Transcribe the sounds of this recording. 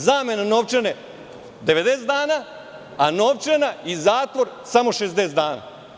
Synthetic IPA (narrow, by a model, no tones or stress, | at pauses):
zaːmenanoːʋt͡ʃene | d̪eʋed̪esed̪aːnaː | anoːʋt͡ʃenaizaːt̪ʋo̞ɾsamo̞ʃesd̪eːsd̪aːna̰